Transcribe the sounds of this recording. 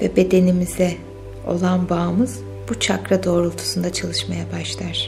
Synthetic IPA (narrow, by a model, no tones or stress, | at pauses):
vɛbe̞d̪e̞nimizɛ | o̞̰lˠanbaːmɯz̥ | but͡ʃʰakɾad̪o̞ːɾulˠt̪ʰu̥sund̪at͡ʃʰalˠɯʃmajabaʃlˠaɾ̝̥